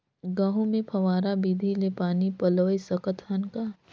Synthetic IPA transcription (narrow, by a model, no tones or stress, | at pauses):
ɡãːɦũmẽpʰɐʋaːɾabiːd̪ʱilepaːnipɐloːjsəkət̪ɦɐnkaː